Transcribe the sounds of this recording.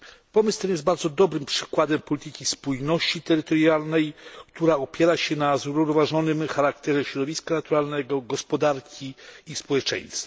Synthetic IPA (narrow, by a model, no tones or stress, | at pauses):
pɔmɘst̪ɛnjɛst̪baɾd̪zɔd̪ɔbɾɘmpʂɘ̥kwad̪ɛmpɔlʲit̪ɘkʲispujnɔɕt͡ɕit̪ɛɾɘt̪ɔɾjalnɛjkt̪uɾaɔpʲjɛɾaɕɛnazuɾuɾɔvaʐɔnɘmxaɾakt̪ɛʐɛɕɾɔd̪ɔvʲiskanat̪uɾalnɛɡɔɡɔspɔd̪aɾkʲiːspɔwɛt͡ʂɛ̰j̃st̪fa